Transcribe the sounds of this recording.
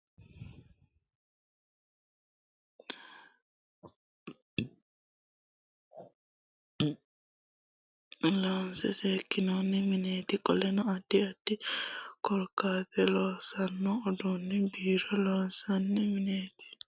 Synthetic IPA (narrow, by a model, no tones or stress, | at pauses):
loːnsɛseːkːɪnoːnːɪmɪneːt̪ɪkʼɔlɛnɔɐd̪̥ːɪɐd̪̥ːɪkɔɾkːaːtɛloːsɐnːɔːd̪unːɪbiːɾɔloːnsɐnːɪmɪneːt̪ɪ̥